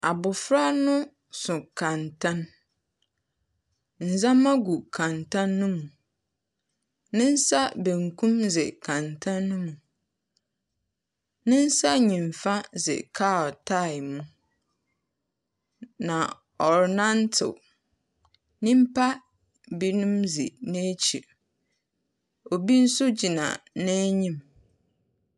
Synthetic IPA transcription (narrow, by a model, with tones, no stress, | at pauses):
a˨bʊ˨fɾa˦nʊ̃˦ | sʊ̃˨kʰã˨ntʰã˦n | n̩˨zã˦mã˦ɡu˨kʰã˨ntʰã˦nːʊ̃˦mũ˨ | nɪ̃˦n̩˦sa˦bẽ˨ŋkʰũ˦mzɪ̰˨kʰã˨ntʰã˦nːʊ̃˦mũ˨ | nɪ̃˦n̩˦sa˦ɲĩ˨ɱ˨fã˦zɪ̰˨kʰa˦˨tʰa˦ɪ˨mũ˦ | nã˨ | ɔ˨ɾnã˦n˦tʰɪ̰˨ | nɪ̃˦m̩˦pʰa˦ | bi˦nũ˦mzɪ̰˨nɛ̃˦t͡ɕʰḭ˨ | ɔ˨bi˦n̩˦sʊ˦d͡ʑi˨nã̰˨nɛ̃˦ɲĩ˦m